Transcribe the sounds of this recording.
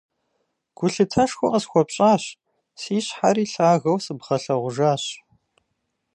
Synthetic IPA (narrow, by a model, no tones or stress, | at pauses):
ɡ̥ʷʊɬɨtʰɐʂxʷʊʔɐsxʷɔpɕʼaːɕ | siːɕħaɾiːɬaːɣɐwsɨbʁɐɬɐʁʷʊʒaːɕ